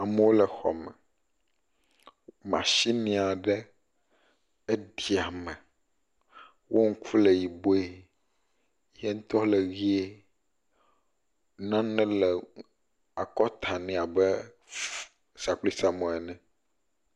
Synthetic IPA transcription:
a˨mɛ˦wo˦lɛ˨xɔ̰˨mɛ̰̃˨ | mã̰˨ʃi˦nĩ˨a˨ɖɛ˦ | e˦d̪i˨a˨mɛ̃˨ | wʔo˦ŋ̩˦ku˦le˨ji˨bo˦e˦ | je˦ŋ̩˦t̪ɔ˦le˨ɣi˦e˦ | nã˦nɛ̃˦lɛ˨ | a˨kɔ˦t̪ʰa˨nĩ˦a˨bɛ˦ | sa˨k͡pli˦sa˨mɔ̃˨ɛ˨nɛ̃˨

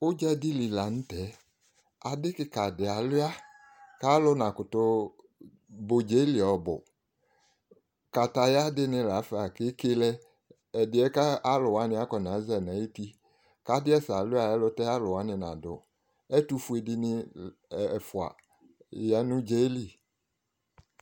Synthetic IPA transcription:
ʊ˦d͡ʒɛ˦dɪ˦li˨la˨ñ̩˦tɛ˨˦ | a˨dɪ˦kɪ˦ka˨dɪ˨a˨lʊ˦a˦ | ka˦lʊ˦nã˨kʊ˨tʊ˦ | bo˨d͡ʒe˦li˨ɔ˨bʊ̰˨ | ka˨ta˨ja˦dɪ˦nɪ̃˨la˨˦fa˨kɪ˦ke˦lɛ˦ | ɛ˨dɪ˨˦ɛ˦ka˦a˦lʊ˨wa˨˦nɪ̃˦a˦kɔ˨nã˨˦zɛ˨nã˨˦i˦ti˦ | ka˨˦dɪ˦ɛ˦sa˨lʊ˦a˨ɛ˦lʊ˦tɛ˦a˦lʊ˨wa˨˦nɪ̃˨nã̰˨dʊ̰˨ | ɛ˦tu˦fu˦e˨dɪ˦nɪ̃˦˨ | fʊ˨a̰˨ | ja˦nʊ̃˦d͡ʒe˦li˦˨

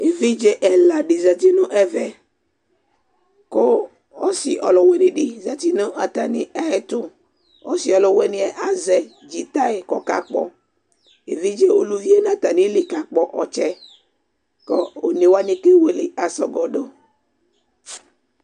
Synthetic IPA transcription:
e˨vi˦d͡ʒe˦ʔɛ˨la˨ɖi˨za˨t̪i˦nũ˦ʔɛ˨vɛ˦ | ko˦ | o˦si˨ʔɔ̰˨lɔ˨wɛ˦nĩ˨ɖi˨za˨t̪i˦nõ˦ʔa˨t̪a˨nĩ˦ʔɛ˦˨t̪u˦ | o˦si˨ɔ˨lɔ˨wɛ˦nĩ˦ɛ˨ʔa˦zɛ˨ | d͡ʒi˨t̪a˦e˨kɔ˨ka̰˦k͡pɔ̰˦ | e˨vi˦d͡ʒe˦o˨lu˨vi˦e˦nã˨t̪a˨nĩ˦li˨ka˨k͡pɔ˨ʔɔ˨t͡ʃɛ˦ | kɔ˦o˨ne˨wa˦nĩ˨ke˦we˨li˨a˨sɔ˨ɡɔ˨ɖo˦

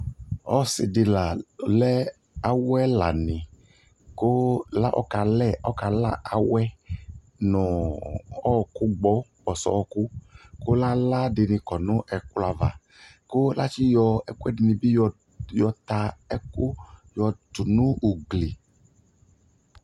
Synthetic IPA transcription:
ɔ˦sɪ̰˨dɪ˧la˨lɛ˦ | a˨wɛ˦la̰˨nɪ˨ | ko˦la˦ʔɔ̰˦ka˧lɛ˦˨ʔɔ˦ka˨la̰˦˨ʔa˨wɛ˦ | nʊ̃˨ | ɔ˦˨kʊ˦ɡ͡bɔ˦bɔ˨sɔ̰˨ɔ˧kʊ˦kʊ˦la˦la˦dɪ˧nɪ̃˧kɔ˨nʊ̃˦ʔɛ˨kla˨va̰˨ | ko˦la˦t͡ʃi˦jɔ˧ɛ˦ku˦ɛ˦dɪ˧nɪ̃˧bi˦˧ | jɔ˧t̪a˧ɛ˦kʊ˦jɔ˧tʊ˨nʊ̃˦u˨ɡli˨

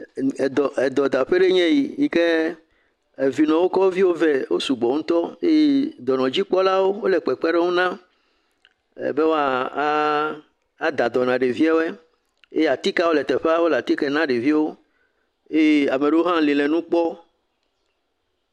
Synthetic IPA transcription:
d̪ɔ˨ɛ˨d̪ɔ˨d̪a˨ɸe˦ɖe˦ɲɛ̃˦ji˨ji˦ke˦ | e˨vi˨nɔ̃˨wo˦kɔ˦wo˦vi˦wo˦vɛ˦wo˦su˨ɡ͡bɔ˨ŋ̩ũ˦t̪ɔ˦e˦je˦d̪ɔ˨nɔ̃˨d͡ʑi˦k͡pɔ˦la˦wo˦wo˦lɛ˨k͡pɛ˨k͡pɛ˦ɖe˦ŋũ˦nã˦ | ɛ̰˨be˦wo˦a˦˨˦ | d̪a˨d̪ɔ˨nã˨ɖe˨vi˦a˦wo˦ɛ˦ | ḛ˦ja˨t̪i˦ka˦wo˦lɛ˨t̪ɛ˨ɸe˦a˦wo˦la˨t̪i˦kɛ˦nã˦ɖe˨vi˦wo˦ | e˦e˦a˨me˨ɖe˦wo˦ɦã˦li˨lɛ˨nũ˦k͡pɔ˦

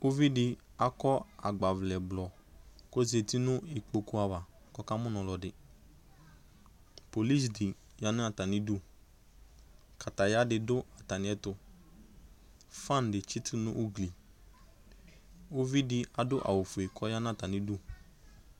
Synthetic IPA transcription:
o˦vi˦dɪ˨ | a˦kɔ˦a˨ɡ͡ba˨vlɛ˨blɔ˨ko˦ze˨ti˦nʊ̃˦ɪ˨k͡po˨ku˦a˨va˨ | kɔ˦ka˦mʊ̃˦nɔ̃˨lɔ˨dɪ˨ | po˨li˦sdɪ˨ | ja˦nɪ̃˦a˨ta˨nɪ̃˦du˦ | ka˨ta˨ja˦dɪ˨dʊ˦a˨ta˨nɪ̃˨˦ɛ˦tʊ˨ | fã˦˨n˨dɪ˨t͡ʃɪ˦tɪ˦nʊ̃˦ʔu˦ɡli˨ | u˦vi˦dɪ˨a˨dʊ˦ʔa̰˨wo˨fʊ˨e˨kʰɔ˦ja˦n˦a˨ta˨nɪ̃˨du˦

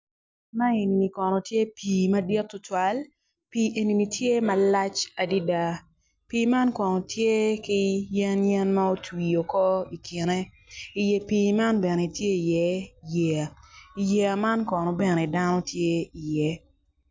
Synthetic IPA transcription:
ma˦e˨ni˨ni˨kɔ˨nɔ˨tje˦pʰiː˨mɐ˦dɪ˦tːʊ˦twa˦l | pi˨ʔe˨ni˨ni˨tje˦ma˦la˦t͡ʃa˨di˦da˦ | pi˨ma˦nkɔ˨nɔ˨tʰje˦ki˦jɛ˦njɛ˦nma˦o˦twi˨o˨kɔ˦i˨ki˨ne˦ | i˨je˨piː˨ma˦nbɛ˨ne˨tje˦i˨jɛ˦je˨a˨i˨je˨a˨ma˦nkɔ˨nɔ˨bɛ˨ne˨da˦nɔ˦tʰje˦i˨jɛ˨˦

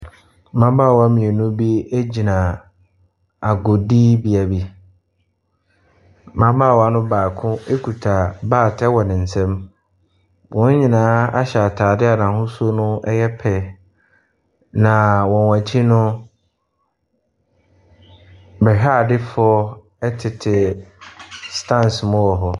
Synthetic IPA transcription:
mã˦ba˦˨wa˦mĩ˨e˨nũ˦bi˦e˦d͡ʑi˨nã˨ | a˨ɡo˨diː˦bi˦a˨bi˦ | mã˦ba˦˨wɔ˨a˦nʊ̃˦baː˨kʰʊ̃˦e˦kʰu˨tʰa˨baː˦˨tʰɛ˦wɔ˨nɪ̃˨n̩˨sɛ̃˦m | wɔ̃˦n˦ɲĩ˨nãː˦a̰˦ɕa˨tʰaː˨dɪ˦a˨nã˨ɦʊ̃˦su˦o˦nʊ̃˦ɛ˦jɛ˦pʰɛ˨ | nã˨wɔ̃˨nwã˨t͡ɕʰi˦nʊ̃˦ | bɛ˨ɦa˦˨dɪ˦fʊ˦ɔ˦ | ɛ˦tʰɪ˨tʰɪ˨ | stʰã˦nsmʊ̃˦wɔ˨ɦɔ˨

